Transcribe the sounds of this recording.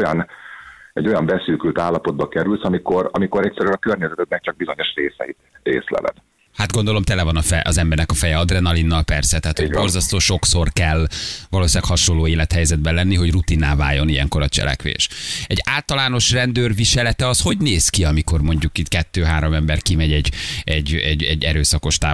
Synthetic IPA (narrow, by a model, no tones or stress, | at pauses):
jɒn | ɛ̰ɟːo̞jɒmbɛsyːkylt̪aːlːɒpod̪̚bɒkɛɾylsɒmiko̞ɾɒmiko̞ɾɛcʲsɛɾylɒkørɲɛzɛt̪ɛt̪nɛk̚t͡ʃɒɡ̚bizo̞ɲo̞ʃreːsɛ̰it̪ɾḛːslɛ̰vɛ̰d̪ | had̪̚ɡo̞nd̪o̞lo̞mt̪ɛlɛvɒnɒfɛʔɒzɛmbɛrnɛkɒfɛjɛɒd̪rɛnɒlinːɒlpɛrsɛt̪ɛɦːt̪ʰhoɟbo̞rzɒst̪oːʃo̞kso̞rkɛlvɒloːsilaːkhɒʃo̞nlːoːeːlɛt̪hɛjzɛd̪̚bɛlɛnːiɦo̞ɟrut̪inːaːva̰ːjo̞nijɛ̰ŋko̞ɾɒt͡ʃɛ̰lɛ̰kʋḛːʃɛɟaːlt̪ɒlaːno̞ʃrɛnd̪øːrviʃɛlɛt̪ɛɒsho̞ɟneːskiɒmiko̞rmo̞ɲɟukit̪kɛt̪ːøːɦaːɾomɛmbɛrkimɛɟɛɟɛɟːɛɟɛɟːɛɾøːsɒko̞ʃt̪a̰ː